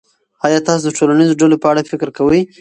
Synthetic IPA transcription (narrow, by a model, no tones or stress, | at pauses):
ɑjɑt̪ɑs̬od̪əʈolanizoɖalopəaɽafɪkɾkawəj